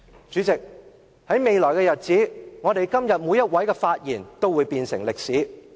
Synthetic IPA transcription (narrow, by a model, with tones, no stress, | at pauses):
t͡ʃy˨˥t͡sɪ˨k̚ | hɐ˨˥jme˨jlɔː˨˩jkɛː˧jɐ˨t̚t͡siː˨˥ŋɔː˨˧t̪e˨jkɐ˥mjɐ˨t̚mu˨˧jːɐ˥t̚wɐ˨˥jkɛː˧faː˧t̚jiː˨˩nt̪o˥wuː˨˧jpiː˧nsɪ̰˨˩ŋlɪ˨k̚siː˨˥